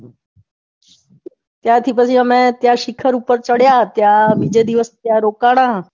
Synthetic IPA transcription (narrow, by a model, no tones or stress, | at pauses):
t̪jat̪ʰipəsʰĩəmẽt̪jaʃɪkʰəɾuːpəɾt͡ɕəɽjat̪jabid͡ʒed̪ɪʋəst̪jaɾoːkaːɽ̃a